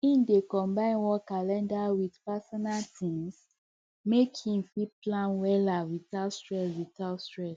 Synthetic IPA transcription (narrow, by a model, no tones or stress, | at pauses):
ĩndekɔ̃mbãɪ̃nwɔkalɛ̃ndawidpasɔnaltʰĩŋs | mekhĩmfiplãnwɛlavitalstɹɛsvitalstɹɛs